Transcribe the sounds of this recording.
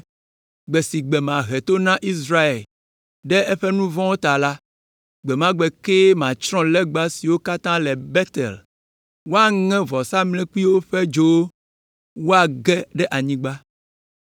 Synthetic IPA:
ɡ͡bɛ˨si˨ɡ͡bɛ˨mã˨ɦɛ˨t̪o˦nã˦ʔi˦sɾa˦e˨l | ɖɛ˦ɛ˦ɸɛ˦nũ˦vɔ̃˦wo˦t̪a˨la˦ | ɡ͡bɛ˨mã˦ɡ͡bɛ˨ke˦mã˨t͡ʃɾɔ̃˦lɛ˦ɡ͡ba˦si˨wo˦ka˦t̪ã˦lɛ˨bɛ˦t̪ɛ̰˨l | wo˦a˦ŋɛ̃˦vɔ˨sa˦mlɛ̃˦ku˦i˦wo˦ɸɛ˦d͡ʒo˦ | wo˦a˨ɡɛ˦ɖɛ˦ʔa˨ɲĩ˦ɡ͡ba˦

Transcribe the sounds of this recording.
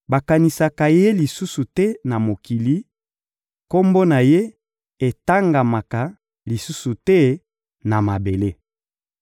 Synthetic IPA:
ba˨ka˨ni˨sa˨ka˨je˦li˨su˦su˨tɛ˦na˨mo˨ki˨li˦ | ko˦mbo˦na˨je˦ | e˨ta˦ŋɡa˨ma˨ka˨ | li˨su˦su˨tɛ˦ | na˨ma˨be˨le˦

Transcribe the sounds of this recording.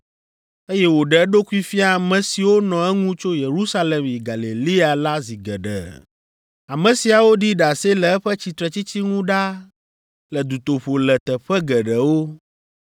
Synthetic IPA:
e˦jɛ˦wo˨ɖɛ˨˦ɖo˦ku˦i˦fi˦a˦˨mɛ̃˨si˨wo˦nɔ̃˨ɛ˦ŋũ˦t͡ʃo˦je˨ɾu˦sa˦lɛ˨mji˨ɡa˨li˨li˦a˨la˦zi˨ɡɛ˨ɖɛ̰˨ | a˨mɛ̃˨si˨a˨wo˦ɖi˦ɖa˨se˦lɛ˨ɛ˦ɸɛ˦t͡ɕi˨t̪ɾɛ˨t͡ɕi˦t͡ɕi˦ŋũ˦ɖa˦ | lɛ˨d̪u˨t̪o˨ɸo˨lɛ˨t̪ɛ˨ɸɛ˦ɡɛ˨ɖɛ˨wo˦

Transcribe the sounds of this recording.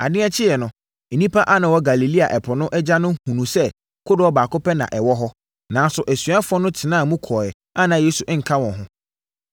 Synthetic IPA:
a̰˨dɪ̃˦ɛ˦t͡ɕʰɪ˦jɛ˨nʊ̃˨ | e˨nĩ˦pʰa˦ʔa˦nã˨wɔ˦ɡa˨li˨li˦a˨ʔɛ˨pʰɔ˨nʊ̃˦ʔɛ˦d͡ʑa˦nʊ̃˦hũ˨nũ˨sɛ˦ | kʰʊ˦dʊ˨ɔ˦baː˨kʊ˦pɛ˦nã̰˨ʔɛ˨wɔ˦ɦɔ˦ | nã˨˦n˦sʊ˨ʔæ˨sɥa˦fʊ˦ɔ˦nʊ̃˦tʰɪ˨nãː˦˨mũ˦kʰɔː˨ɛ˨ | a˦nã˨je˦su˨ʔŋ̩˨kʰa˦wɔ̃˨ɦʊ̃˦

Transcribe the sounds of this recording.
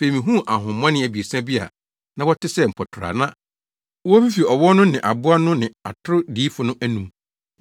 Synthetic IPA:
b̥e˨mĩ˨ɦũ˦ʔa˨ɦʊ̃˨˦ã˦nɪ̃˦æ˨bi˨e˨sã˦bi˦a̰˨ | nã˦wɔ˦tʰɪ˦sɛ˦˨m̩˨pʰɔ˨tʰɾa̰˨nã˦ | wɔ˦fi˦fi˨ɔ˨wɔ˦nʊ̃˦nɪ̃˨ʔa˨bʊ˦a˦nʊ̃˦nɪ̃˨a̰˨tʰʊ˦ɾʊ˦diː˨˦fʊ˨nʊ̃˦ʔæ˦nũ˦m

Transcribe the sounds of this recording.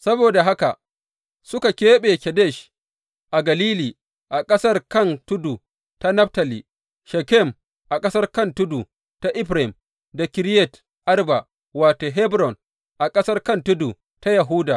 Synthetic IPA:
sɐ˦boː˨da˨ɦa˦ka˨ | sʊ˦ka˨kʲeː˦ɓeː˨kʲɛ˨dɛ˦˨ʃ | ʔa˨ɡɐ˨liː˦liː˨ | ʔa˨kʼɐ˦sɐ˦rkɐ˦˨ntʊ˦du˨ | ta˦nɐ˦ɸta˨lḭ˨ | ʃɛ˨kɛ˦˨m | ʔa˨kʼɐ˦sɐ˦rkɐ˦˨ntʊ˦du˨ | ta˦ʔɪ˦ɸɾɪ˨m | da˨kʲɪ˨˦ɾjɛ˨t | ʔa˦rba˨ | waː˨toː˨ɦɛ˦bɾɔ˨n | ʔa˨kʼɐ˦sɐ˦rkɐ˦ntʊ˦du˨ | ta˦jɐ˨ɦuː˦daː˨

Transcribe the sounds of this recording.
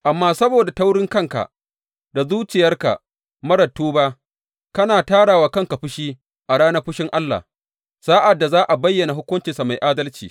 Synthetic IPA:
ʔa˨mːaː˦sɐ˦boː˨da˨ta˦wɽɪ˦ŋkɐ˦ŋka̰˨ | da˨zuː˦t͡ʃɪ˨jɐ˦rka̰˨ | mɐ˦ɾɐ˨tːuː˦baː˦ | kɐ˦naː˨taː˦ɽaː˨waː˨kɐ˦˨ŋka˨ɸʊ˦ʃiː˦ | ʔa˨ɽaː˦nɐ˦ɸʊ˦ʃɪ˦ŋʔa˦lːa̰˨ | saː˦ʔa˨dːa˨zaː˦ʔa˨bɐ˦jːɐ˨na˨ɦʊ˦kʷʊ˦nt͡ʃɪ˨nsa˨ma˨jʔaː˦dɐ˦lt͡ʃiː˨

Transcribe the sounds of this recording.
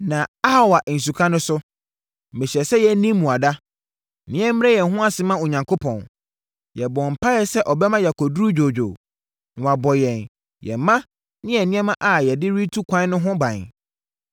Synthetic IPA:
nã˨a˦˨wa˨ʔn̩˨s̬u˨kʰã˦nʊ̃˦sʊ˦ | m̩˨mɪ̃˨ɕɛ˨sɛ˦jɛ˨˦nĩː˦ũ˨a˨da˦˨ | nɪ̃˦ɛ˦m̩˦m˦ɛ˦jɛ̃˨ɦʊ̃˦a˨sɪ˦mã˦o˨ɲã˨ŋkʰo˦pʰɔ̃˨n | jɛ˨bɔ˨m̩˨pʰa˦jɛ˦sɛ˦ʔɔ˨bɛ˦mã˦jɛ˨kʰɔ˨dɾu˦d͡ʑᶣo˨d͡ʑᶣo̰˨ | nʊ̃˨wa˨bɔ˨jɛ̃˨n | jɛ̰˨˦mã˦ | nɪ̃˦ɛ˨nɪ̃˦ɛ˦mã˦ʔa˨jɛ˨dɪ˦ɾi˦tʰu˦kʷʰã˦n˦nʊ̃˦ɦʊ̃˦bã˨ɲ̰˨

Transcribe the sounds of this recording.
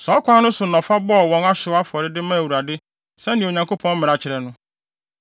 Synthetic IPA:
sɔ˨˦kʷʰa˦nʊ̃˦sʊ˨nɔ̃˨fa˦bɔ˦˨wɔ̃˨ŋa˦ɕɪ˨˦a˦fɔ˨ɾɪ˦dɪ˦mã˦˨wu˨ɾa˨dɪ˦ | sɛ˦nɪ̃˨o˨ɲã˨ŋko˦pʰɔ̃˦n˦mɪ̃˨ɾa˨t͡ɕʰɪ˨ɾɛ˨nʊ̃˦

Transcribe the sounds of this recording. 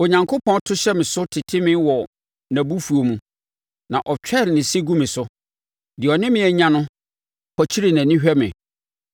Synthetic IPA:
o˨ɲã˨ŋkʰo˦pʰɔ̃˦n˦tʰʊ˦ɕɛ˦mɪ̃˨sʊ˦tʰɪ˨tʰɪ˦mɪ̃˦wɔ˨ | næ̃˨bu˦fu˨o˨mũ˦ | nã˨ʔɔ˨t͡ɕᶣɛ˦˨ɾnɪ̃˨sɪ˦ɡũ˦mɪ̃˨sʊ˦ | dɪ˨ɔ˨nɪ̃˦mɪ̃˨˦æ˨ɲã˦nʊ̃˦ | pʰɔ˨t͡ɕʰi˦ɾi˨nã˨nĩ˦ɕᶣɛ˦mɪ̰̃˨

